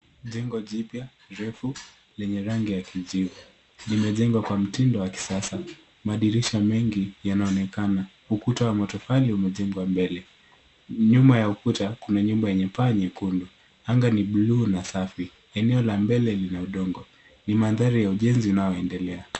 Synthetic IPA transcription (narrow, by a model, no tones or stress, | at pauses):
ʄɛŋɡɔʄipja | ɾɛfu | lɛɲɛɾaŋɡijakiʄivu | nimɛʄɛŋɡwakwam̩tindɔwaki̥sasa | maɗiɾiʃamɛŋɡijanaɔnɛkana | ukutawamɔtɔfaliumɛʄɛŋɡwambɛlɛ | ɲumajaukutakunaɲumbajɛɲɛpaɲɛkundu | aŋɡaniɓluːnasafi | ɛnɛɔlambɛlɛlinauɗɔŋɡɔ | nimanðaɾijauʄɛnziunaɔɛndɛlɛa